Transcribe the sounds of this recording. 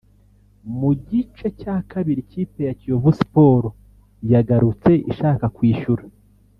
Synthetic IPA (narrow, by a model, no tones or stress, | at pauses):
muɟit͡ʃecakaβiɾiciːpe̞jacioβusi̥po̞ːɾo | jaɡaɾut͡se̞ʔḭʃaːkakwiːʃuɾa